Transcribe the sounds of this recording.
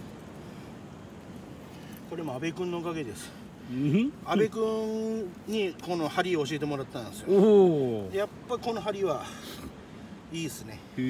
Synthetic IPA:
ko̞ɾe̞mo̞abe̞kɯ̃nːo̞okaɡe̞d̪e̞sɨ̥ | abe̞kɯ̟̃ɲɲiko̞no̞haɾʲioːɕ̬ie̞t̪emo̞ɾat̪ːãnsɨjo | japːaiko̞no̞ɦaɾʲiβa | iːsɨne̞

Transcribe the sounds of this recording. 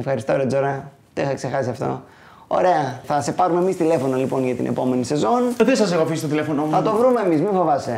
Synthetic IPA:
efxɐɾist̪ooɾed͡zoɾɐ | t̪eθɐkse̞xɐsiɐft̪o̞̰ | o̞̰ɾe̞ɐθɐse̞pɐɾumemist̪ile̞fo̞nolipo̞nʝɐt̪ḭnʔḛpo̞me̞nise̞zo̞nt̪esɐsexofisit̪ot̪ilefonomθɐt̪o̞vɾume̞ːmizmiɱfo̞vɐse

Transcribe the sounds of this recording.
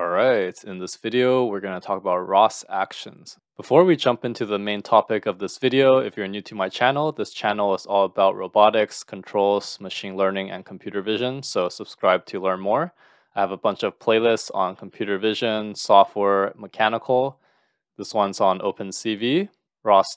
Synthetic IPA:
ɹaɪtɨ̃nðɪsv̥ɪɾioʊwɪɹɡʌnətʰɔkəbaʊt̚ɹɔsæ̰kʃɨ̰̃nz̥ | b̥əfɔɹwid͡ʒʌ̃mpɪ̃ntʰʉðəmẽɪ̃ntʰɑpɨkʌvðɪsv̥ɪɾioʊɪfjə̃˞njʉtʰɨmaɪt͡ʃʰænl̩ˠðɪst͡ʃʰænl̩ˠəzɔlˠəbaʊʔ̚ɹoʊbɑɾɪkskʰn̩tʰɹ̥oʊlˠz̥məʃĩnlɜ̃˞nɪ̃ŋɨ̰̃nkʰm̩pʰj̥ʉɾə˞vɪʒɨ̃nsoʊsəb̥skɹaɪb̚tʰɨlɜ̃˞nmɔɹ | aɪɨvəbʌ̃nt͡ʃʌv̥pʰl̥eɪlˠɪstsn̩kʰm̩pʰj̥ʉɾə˞vɪʒɨ̃nsɔft̚wɛɹməkʰænəkʰl̩ˠ | ðɪswʌ̃nzn̩ʔoʊpɨ̃nsivi | ɹɔs

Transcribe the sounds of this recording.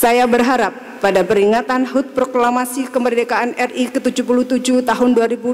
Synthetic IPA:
sajabərɦaɾapːadapəɾiŋat̪anɦʊt̪̚pɾoklamasikəmərdekaʔanɛrʔikət̪ud͡ʒupuluht̪ud͡ʒut̪aɦʊnduaɾibu

